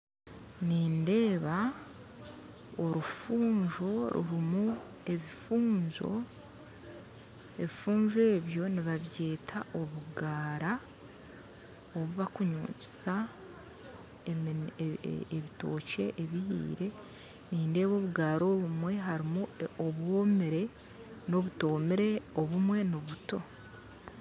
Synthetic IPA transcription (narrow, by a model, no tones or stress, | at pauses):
niːnde̞ːβa | oɾufuːɲʒo̞ɾṵɾimu | e̞βifuːɲzo̞̰ | e̞βifuːɲʒwe̞ːβjo̞niβaβje̞ːtʰaʔo̞βuɡaːɾa | oβuβakuɲṵːci̥sa | e | eβito̞̰ːce̞ʔeβihḭːɾe̞ | niːnde̞ːβo̞βuɡaːɾo̞ːβumwe̞ɦaɾimuoβwo̞ːmeɾe̞ | noβuto̞ːmeɾe̞oβumwe̞noβuto̞